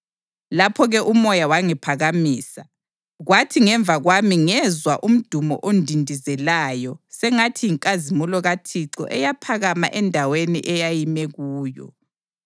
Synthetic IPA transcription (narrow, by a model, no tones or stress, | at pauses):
lapʰɔɣɛʔumɔjawaŋipʰaɣamiːsa | ɣwatʰiŋɛɱbvʱaɣwamiŋɛzwaʔum̩d̥ʱumɔ̰ʔondʱindʱizɛlajɔsɛŋatʰiiŋkʼazimulɔɣatʰiǀɔ̰ʔɛjapʰaɣama̰ʔɛndʱawenḭʔɛjajimɛɣuːjɔ̰